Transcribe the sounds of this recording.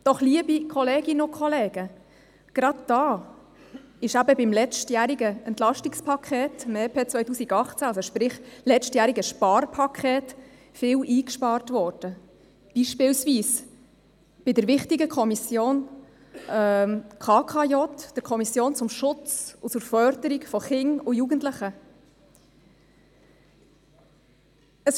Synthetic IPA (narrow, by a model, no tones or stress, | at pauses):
d̥ɔχliəbikʰɔleːɡɪnokʰχɔleːɡə | ɡ̥ɾɑd̪̚d̥ɑː | ɪʃæbəbɪmlɛt͡stjæɾiɡəɛnt̪lɑʃtikspʰɑkʰχeːtmeːpʰeːt͡sʋœʏtuːsiɡɑχt͡sæɑlsɔʃpɾɪχlɛt͡ʃtjæːɾiɡəʃpɑːrpʰɑkʰχɛːt | fɪlʔiːkʃpɑːɾtvɔːɾd̥ə | b̥iʃpɪːlsviːs | b̥ɪdəɾʋɪχtiɡəkʰɔmisjoːn | kʰɑːkʰɑjɔtd̥əɾkʰɔmisjoːnt͡sʊmʃʊt͡sʊt͡suɾfœɾdəɾikfɔχɪŋʊjuɡəntləχə | əs